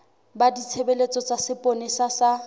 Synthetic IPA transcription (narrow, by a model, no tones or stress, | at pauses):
badit͡sʰebelet͡sʼɔt͡sasɪpʼonesasa